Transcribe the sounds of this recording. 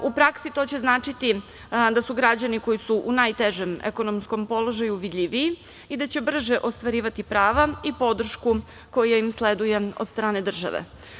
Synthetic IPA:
upɾaksit̪o̞t͡ɕe̞znaːt͡ʂit̪i | d̪asuɡɾad͡ʑaniko̞jisuʔunajt̪eʒemḛko̞nomsko̞mpo̞lo̞ʒajuʋid̪ʎʲiʋiː | id̪at͡ɕe̞br̩ʒeʔo̞st̪ʋaɾiːʋat̪ipɾaːʋaipo̞d̪r̩ʃku | ko̞jaimsled̪uje̞o̰d̪st̪ɾaːne̞d̪r̩ʒa̰ʋḛ

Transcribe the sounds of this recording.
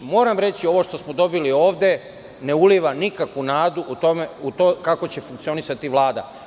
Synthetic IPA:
mo̞ːɾamɾe̞t͡ɕio̞ʋo̞ʃt̪o̞smod̪o̞bilio̞ːʋd̪e̞ | ne̞uliʋanikakunaːd̪uʔut̪omeut̪okako̞t͡ɕe̞fuŋk̚t̪sio̞nisat̪iʋlˠaːd̪a̰

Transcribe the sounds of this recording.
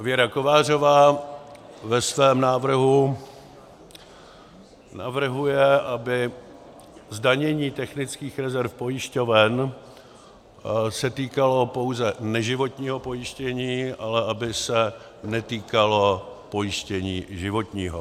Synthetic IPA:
vjɛɾako̞vaːr̝o̞vaː | vɛsvɛːmnaːvr̩ɦu | na̰vr̩ɦujɛʔabɪ | zdaɲɛɲiːt̪ɛxnɪt͡skiːxɾɛzɛɾfpo̞jɪʃco̞vɛn | sɛt̪iːkalo̞po̞wzɛnɛʒɪvo̞t̪ɲiːɦo̞po̞jɪʃcɛɲiːʔalɛʔabɪsɛ | nɛt̪iːkalo̞po̞jɪʃcɛɲiːʒɪvo̞t̪ɲiːɦo

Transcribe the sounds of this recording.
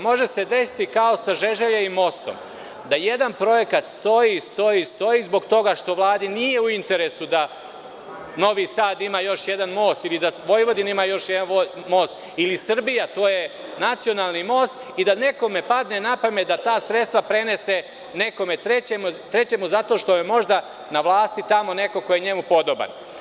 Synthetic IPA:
mo̞ʒe̞se̞d̪e̞si̥t̪ikaosaʒe̞ʒeʎeimo̞st̪o̞̰m | d̪aje̞d̪anpɾo̞je̞kat̪st̪o̞jist̪o̞jist̪o̞jiːzbo̞ɡt̪o̞ɡaʃt̪o̞ʋlˠaːd̪inije̞uint̪e̞ɾesud̪a | no̞ʋiːsaːd̪imaːjo̞ʃjed̪anmo̞ːst̪ilid̪aʋo̞jʋo̞d̪inimaːjoʃjed̪anomo̞ːst̪ | ilisr̩bijat̪o̞ːje̞nat̪sijo̞naːlˠnimo̞ːst̪ | id̪ane̞ko̞me̞pad̪ne̞napamed̪at̪aːsɾe̞t̪st̪ʋapɾe̞ne̞se̞ | ne̞ko̞me̞t̪ɾe̞t͡ɕemut̪ɾe̞t͡ɕe̞muzat̪o̞ʃt̪o̞jemo̞ʒd̪a | naʋlˠaːst̪it̪amo̞ne̞ko̞ko̞jeɲe̞mupo̞d̪oba̰n

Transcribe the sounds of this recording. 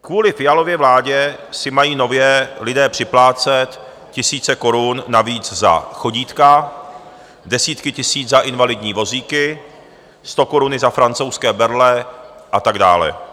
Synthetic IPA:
kvuːlɪfɪjalo̞vjɛvlaːɟɛsɪmajiːno̞vjɛlɪdɛːpr̥ɪplaːt͡sɛt̪ | cɪsiːt͡sɛko̞ɾunːaviːd͡zza̰xo̞ɟiːt̪ka | dɛsiːt̪kɪcɪsiːd͡zzaʔɪnvalɪdɲiːvo̞ziːkɪ | st̪o̞ko̞ɾunɪzafɾant͡so̞wskɛːbɛɾlɛʔat̪aɡda̰ːlɛ̰

